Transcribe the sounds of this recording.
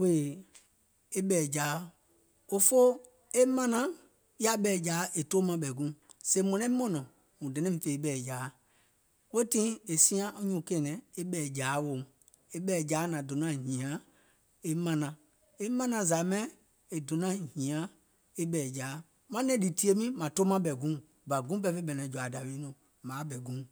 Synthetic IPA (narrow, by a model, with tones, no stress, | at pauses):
we˦˨ | e˦ɓɛː˨d͡ʒaː˨˦ | o˦fo˦ | e˦mã˦nã˨ | ja˨ɓɛː˨d͡ʒaː˨˦ʔe˨toː˦mã˧ɓɛ˨ɡũ˦ | se˧˦mɔ̃˨nɔ̃˦i˦mɔ̃˦nɔ̃˨ | ŋũ˨dɛ̃˨nɛ̃˦˨fe˨˦ɓɛː˨d͡ʒaː˨˦ | we˦tĩ˦e˨sĩ˦ã˦ʔo˦ɲũ˨kẽː˨nɛ̃˨e˦ɓɛː˨d͡ʒaː˨˦wo˨m˨ | e˦ɓɛː˨d͡ʒaː˨˦nã˨do˨nã˦˨hĩ˨ã˨˦ | e˦mã˧nã˨ | e˦mã˦nã˧za˨˦mɛ̃˦ | e˨do˨nã˦˨hĩ˨ã˨˦ | e˦ɓɛː˨d͡ʒaː˨˦ | mã˦nɛ̃˨˦di˨ti˧˦e˦mĩ˦mã˨toː˦mã˧ɓɛ˨ɡũ˦ | ba˨ɡũ˦bɛ˧˦fe˧˦ɓɛ˨nã˨˦d͡ʒu˨a˨da˨wi˨˦nũ˨ | mãː˨˦bɛ˨ɡũ˦